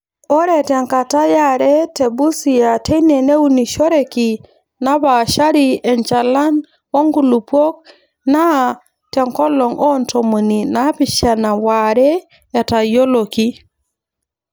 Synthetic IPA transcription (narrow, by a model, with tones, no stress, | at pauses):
ɔ˦ɾɛ˨tɛ˨ŋka˨ta˦ja˦ɾɛ˦te˨bu˦si˨a˨te˦ine˨ne˦u˦ni˨ʃɔ˦ɾe˨ki˨ | na˦ba˨ʃa˦ɾi˨ɛ˨ɲt͡ʃa˨la˦n | o˦ŋɡu˨lu˨pwo˦k̚ | na˦ | tɛ˨ŋkɔ˦lɔ˨ŋʔɔ˦nto˨mu˨ni˨na˦pɪ˨ʃa˨na˨wa˨ɾɛː˦˨ | ta˨jo˦lo˨ki˦